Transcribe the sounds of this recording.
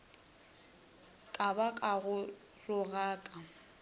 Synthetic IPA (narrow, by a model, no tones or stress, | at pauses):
kʼabakʼaɣʊ | rʊɣaːkʼa